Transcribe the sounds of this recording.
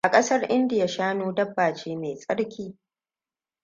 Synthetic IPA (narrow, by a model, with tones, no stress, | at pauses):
ʔa˨kʼɐ˦sɐ˦rʔɪ˦ndɪ˨ja˨ʃaː˦noː˦dɐ˦bːaː˨t͡ʃeː˦meː˨sʼɐ˦ɽkʲiː˦